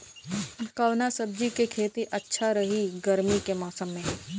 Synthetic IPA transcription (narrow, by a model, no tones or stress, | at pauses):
kəʋnasəb̚d͡ʒikekʰeːt̪iʔɐtːʃʰaɾɐɦiɡɐɾmikemaːsəmːẽ